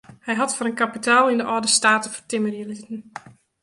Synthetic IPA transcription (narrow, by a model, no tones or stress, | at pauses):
hɛjɦatfɔɾənkapitʰaːlˠindəʔɔːdəstaːtəfə̥rtɪmərjəlitən